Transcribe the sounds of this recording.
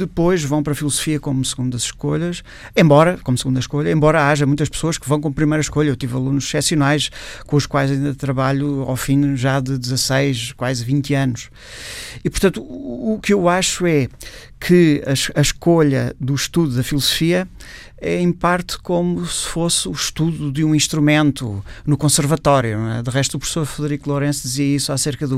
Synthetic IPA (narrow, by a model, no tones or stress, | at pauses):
d̪ɨpojʒvɐ̃w̃pɾɐfilˠuzufiɐkomusɨɣũnd̪ɐzʃkoʎɐʃ | ẽmbɔɾɐkomsɨɣũnd̪ɐʃkoʎɐẽmbɔɾɐaʒɐmũj̃t̪ɐʃpsoɐʃkɨvɐ̃w̃k̬õmpɾimɐjɾɐʃkoʎɐewt̪ivɐlˠunuʃsɛsjunajʃkõuʃkwajzɐĩnd̪ɐt̪ɾɐβaʎua̰wfĩʒaðɨd̪zɐsɐjʃkwazvĩnt̪ɐnuʃ | ipuɾt̪ɐ̃nt̪uːkewaʃuɛ | kʰɨɐʃɐʃkoʎɐðuʃt̪uðuðɐfilˠuzufiɐ | ɛẽpaɾt̪komusɨ̥fosuʃt̪uðuðũĩʃt̪ɾumẽnt̪ṵnukõsɨɾvɐt̪ɔɾjuɛd̪ɨʁɛʃt̪upɾufsoɾfɨðɾikulˠoɾẽsd̪iziɐisaseɾkɐðu